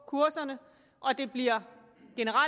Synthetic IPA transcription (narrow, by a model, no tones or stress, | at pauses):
kʰuɐsɐnə | ʔɒ̽d̥e̝b̥liɐ | ɡ̥e̝nəʁɑ